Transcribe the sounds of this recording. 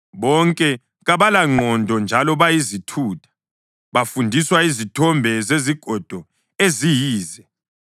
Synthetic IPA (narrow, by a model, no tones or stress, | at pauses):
βɔŋkʼɛ | ɣaβalaŋ͡ǃʱɔndʱɔnd͡ʒʱalɔβajizitʰuːtʰḁ | βafundʱiswaizitʰɔmbʱɛzeziɡ̥ʱɔd̥ʱɔ | ezijiːzɛ